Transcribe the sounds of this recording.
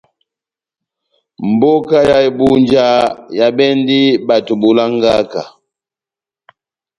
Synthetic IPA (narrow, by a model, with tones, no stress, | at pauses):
m̩˨bo˦ka˦ja˦i˨bu˦n˦d͡ʒa˦ja˨bɛ˦ndi˦ba˨tu˨bu˨la˦ŋ˦ɡa˦ka˨